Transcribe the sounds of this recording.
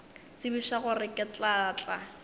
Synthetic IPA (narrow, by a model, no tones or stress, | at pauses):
t͡sɪbiʃaχʊrɪkʼɪt͡ɬʼat͡ɬʼa̰